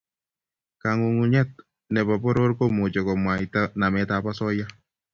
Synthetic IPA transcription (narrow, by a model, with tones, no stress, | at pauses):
ka˨ŋu˨ŋu˨ɲa˦t̚ | nɛ˨βa˨bɔ˦ɾo˦ɾko˦mo˨d͡ʒɔ˨kɔ˨mwa˨i˨ta˦na˨mɛ˨ta˦˨pa˦sɔ˦ja˦